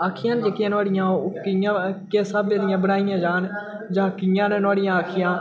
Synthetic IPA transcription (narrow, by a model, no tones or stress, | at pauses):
aːkʰɪjãːnd͡ʒəkãnaːɽɪjãːkɪjãːkeːsaːbeɾɪjãːbənaːɪjãːd͡ʒaːn | d͡ʒaːkɪjãːnenaːɽɪjãːkʰɪjãː